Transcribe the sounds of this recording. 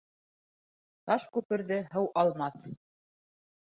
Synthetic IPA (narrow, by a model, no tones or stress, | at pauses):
t̪ɑʃkʉpɘ̆ɾðɘɦɤwʔɑlˠmɑθ